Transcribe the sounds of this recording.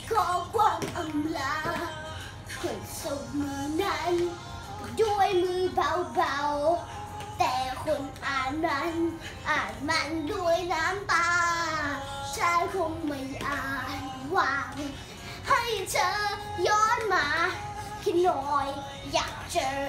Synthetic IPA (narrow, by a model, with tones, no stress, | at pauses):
kʰɔː˧˩kʰwaː˧˩mʔa˧˨mlaː˧˥ | kʰu˨˩ŋso˨˩k̚mɯː˨˧˩na˧˥n | du˧˩əjmiː˧˥ba˧wba˧w | t̪ɛː˨˩kʰo˧˦nʔaː˨˩na˧˥n | ʔaː˨˩t̪̚ma˧˥ndu˧˩əjnaː˧˦˥mt̪aː˧ | t͡ɕʰaː˧˥jkʰo˧ŋma˧˩jʔaː˧˩t | waː˧ŋ | ha˧˩jt͡ɕa˧˩jɔː˧˥nmaː˧ | kʰi˧nɔː˧jː | aː˨˩k̚t͡ɕa˧